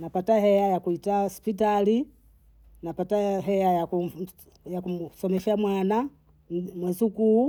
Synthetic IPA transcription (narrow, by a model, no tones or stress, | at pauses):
napatahɛajakuitaɔspit̬ali | napataɦɛajaku | jakumsɔmɛʃamwana | mwɛzuku